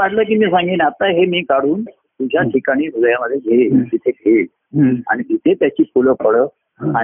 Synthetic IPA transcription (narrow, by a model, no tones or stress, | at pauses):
aʈlək̬iːmiːsãŋɡiːnat̪aɦemiːkaɽuːn | t̪ud͡ʑʱjaʈʰikaɽ̃iːsud̪ʱjaməd̪ʱːjeɡʱed͡ʑ̪it̪ʰeɡʱeːl | a̰ɽ̃id̪it̪ʰet̪jat͡ɕiːpuləpəɽəː | a